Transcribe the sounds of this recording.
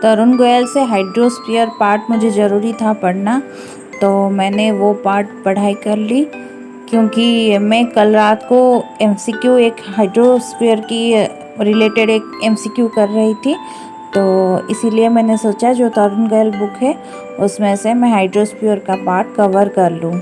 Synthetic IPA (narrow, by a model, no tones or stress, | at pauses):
t̪ɐɾʊnɡojəlseɦaːɪɖɾoːspijəɾpaːɾʈmʊd͡ʒʱezɐɾuːɾit̪ʰapɐɽna | t̪oːmɛ̃ːneʋopaːɾʈ̚pɐɽ̤aːikɐɾli | kjõːkimɛ̃kɐlɾaːt̪koɛmsiːkjueːkɦaːɪɖɾospiəɾki | ɾɪleːʈeɖeːkɛːmsiːkjukɐɾːɐɦit̪ʰi | t̪oːɪsiliemɛ̃ːnesoːt͡ʃad͡ʒoːt̪ɐɾənɡoəlbʊkɦɛ | ʊsmẽsemɛ̃ɦaːɪɖɾoːspijəɾkapaːɾʈkɐʋəɾkɐɾlũː